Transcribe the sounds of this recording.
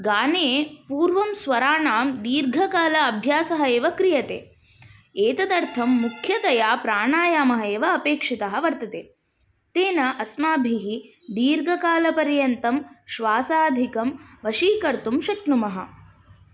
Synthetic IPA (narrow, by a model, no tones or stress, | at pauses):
ɡaːneːpuːɾʋɐmsʋɐɾaːɳaːmd̪iːɾɡʱɐkaːlɐːbʱjaːsɐɦɐeːʋɐkɾijɐt̪ḛː | eːt̪ɐd̪ɐɾt̪ʰɐmːukʰjɐt̪ɐjaːpɾaːɳaːjaːmɐɦɐeːʋɐːpeːkʂit̪ɐɦɐ̆ʋɐɾt̪ɐt̪ḛː | t̪eːnɐʔɐsmaːbʱiɦi | d̪iːɾɡʱɐkaːlɐpɐɾjɐnt̪ɐmʃʋaːsaːd̪ʱikɐmʋɐʃiːkɐɾt̪umʃɐknumɐɦɐ̰